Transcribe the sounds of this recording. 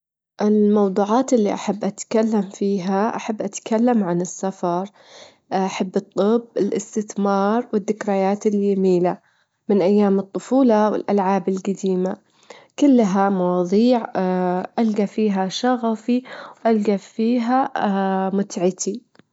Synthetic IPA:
ʔɪlmɑwd̪ˤuːʕɑːt̪ʔɪlːiʔaħabːʔat̪kalːamfiːɦaʔa̰ħabːʔat̪kalːamʕanɪsːafɑɾˤ | ʔaħabːɨt̪ˤːɨbːɪlʔɪst̪ɪθmɑːɾˤwɪd̪ːɪkɾɑjaːt̪ɪljamiːla | mɪnʔajːaːmɨt̪ˤːʊfuːlɑwɪ̰lʔalʕaːbɪlɡad̪iːma | kʊlːaɦamɑwɑːðˤiːʕʔalɡafiːɦaʃɑɣafiwʔalɡafiːɦa | mʊt̪ʕɪt̪i

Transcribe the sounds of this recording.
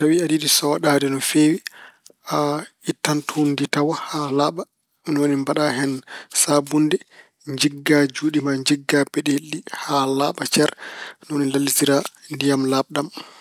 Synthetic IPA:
tawiadidisɔwaɗadɛnɔfeːwiʔaitːantʰunditawahalaɓa | minɔwonimbaɗaɦɛnsabundɛ | ɲd͡ʒiɡːad͡ʒuːɗimaɲd͡ʒiɡːapɛɗelːihalaɓat͡ʃɛɾnɔwonilalːitiɾandijamlaɓɗam

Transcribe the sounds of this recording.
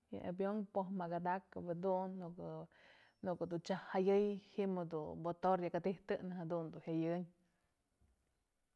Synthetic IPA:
ja̰ʔa̰bjoŋpoɦmaɡad̪akabad̪unː | nukɨd̪ut͡ʃahhajɨjhimɨd̪ubot̪oɾjakat̪iht̪ɨʔnaɦad̪und̪uhjajɨɲ

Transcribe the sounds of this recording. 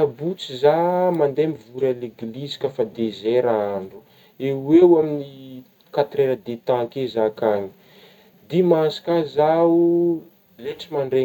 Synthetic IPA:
abut͡sizamand̪emivuɾaleɡlizi̥kʲəfad̪ezeɾaaɳɖ͡ʐu̥ | ewewamini | kat̪ɾeɾəd̪et̪akezakaɲi̥ | d̪imasi̥kazau | leʈ͡ʂimaɳɖ͡ʐe

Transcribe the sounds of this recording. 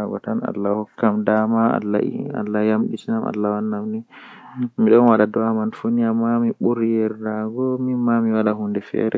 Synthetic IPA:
aɡɔ̰tana̰lːahɔkːamdamaa̰lːa̰a̰lːajamɗitinama̰lːawanːamni | miɗɔnwaɗadɔamanfuniamamiɓuɾjɛɾdaɡɔmimamiwalaɦundɛfɛ̰ɾɛ

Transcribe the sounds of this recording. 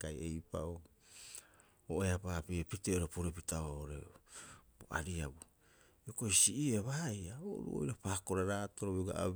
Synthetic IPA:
kajejpa̰o | oʔeapapiepiteoɾepoɾep̬itaooɾḛ | boʔa̰ɾiabu | jokoisiʔieβajao̰ɾṵo̰jɾapaːko̞ɾaɾatoɾoβɡa̰a̰

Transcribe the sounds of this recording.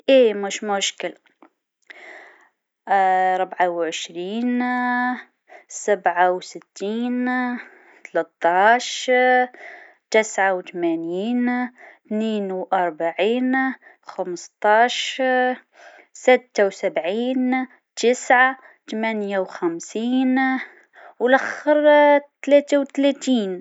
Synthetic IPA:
ʔeːmʊʃmʊʃkɪl | ɾˤʊbʕawʕɪʃɾiːn | sabʕawsɪt̪ʰːiːn | t̪alat̪ːɑːʃ | t̪ɪsʕawt̪manjiːnt̪neːnwʔɑɾˤbaʕiːn | xamst̪ˤɑːʃ | sɪt̪ːawsabʕiːn | t̪ɪsʕa | t̪mænjawxæmsiːn | wlʔæxəɾt̪læːt̪awt̪læt̪iːn

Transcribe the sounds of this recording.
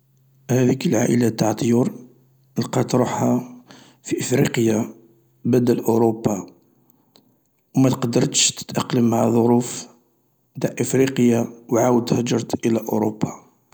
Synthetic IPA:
hæd̪ikəlʕaʔə̰lat̪ːaʕt̪ˤjuɾ | əlqɑt̪ɾˤuħha | fiʔəfɾiqja | bəd̪əlʔʊɾobːa | wmæt̪qɑd̪əɾˤt̪ʃt̪ə̥t̪ʔɑqləmhæðˤoɾuf | t̪aʕʔəfɾiqəjawʕawəd̪hæd͡ʒɑɾˤt̪ʔəlæʔʊ̰ɾobːa

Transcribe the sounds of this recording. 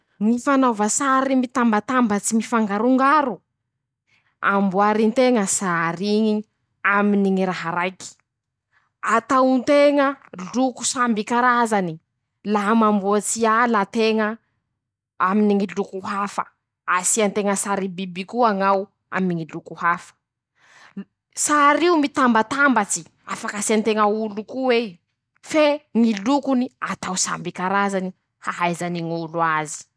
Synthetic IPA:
ŋifanovəsaɾimit̪ambat̪ambət͡simifaŋɡaɾuŋɡaɾu | a̰mbuaɾint̪eŋəsaɾiŋi | aminiŋiɾaɦaɾajki̥ | at̪awnt̪eŋəluku̥sambikaɾazani | laɦamambuat͡sialat̪eŋə | aminiŋilukuɦafə̰ | asiant̪eŋəsaɾibibikuaŋaw | a̰miniŋilukuhafə̥ | saɾiumit̪ambat̪ambat͡si | afakasiant̪eŋaulukuwe | feŋilukuniat̪awsa̰mbikaɾazani | haɦajzaniŋuluazi̥

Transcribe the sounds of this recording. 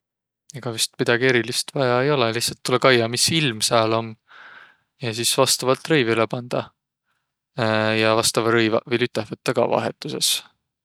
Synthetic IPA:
eɡ̥ɑvyst̪̚mid̪̥ɑɡie̞ɾilist̪vɑjɑejo̞leliht̪sɑt̪ːulekɑjɑmisilmsɑlo̞m | jɑs̬iːsvɑst̪ɑvɑlt̪rɤjvilepɑnd̪̥ɑ | jɑvɑst̪ɑvɑɾɤjvɑ̰vɤlyt̪ːˑehvɤt̪ːɑɡ̥ɑ̰vɑ̰ɦe̞t̪ːˑuse̞s

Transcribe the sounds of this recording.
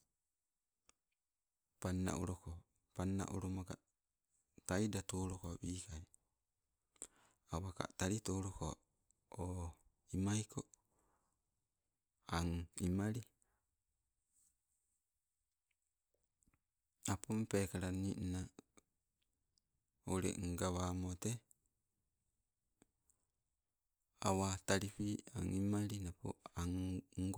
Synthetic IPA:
panːa̰ʔṵɾoko | panːa̰ʔuɾomaɡa̰ | tajdatoːɾokoabikaj | awaka̰taɾitoːɾokoa̰ | o | imajkʰo | aŋimaɾi | apompekaɾanina | oɾḛŋɡaβamote | a̰wataɾipia̰ŋimaɾinapo̰aŋŋɡ

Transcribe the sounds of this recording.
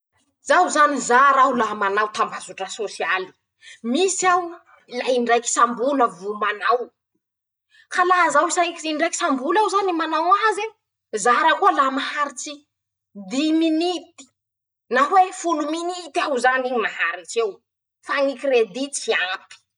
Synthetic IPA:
z̥awzanizaɾawlamanawt̪ambazuʈ͡ʂəsosiali̥ | misaw | laiɳɖ͡ʐajki̥sambuləvumanaw | kalaɦzawisaŋikiiɳɖ͡ʐajki̥sambulawzanimanawaze | zaɾəkuəlamahaɾit͡si | d̪iminit̪i̥ | nawefuluminit̪awzanimahaɾit͡sew | faŋikred̪it͡siapi̥

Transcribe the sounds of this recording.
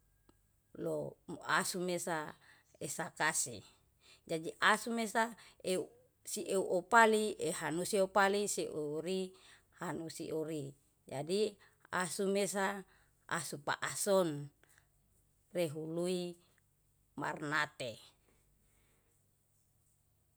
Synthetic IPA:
loasumesa | esakasḭ | d͡ʒadiʔasumesaeu | siʔeuʔopalieɦanusiopalisiʔoɾi | hanusḭʔuɾi | d͡ʒadi | asumesa | ʔa̰supa̰ʔasɔn | reɦului | ma̰rnat̪e

